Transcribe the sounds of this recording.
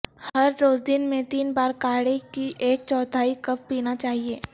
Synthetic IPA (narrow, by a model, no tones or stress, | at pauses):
hɐɾːoːd͡ʒd̪ɪnmẽt̪iːnbaːɾkaːɽekiʔeːk̚t͡ʃɔːt̪ʰaːikɐpːiːnat͡ʃaːɦieː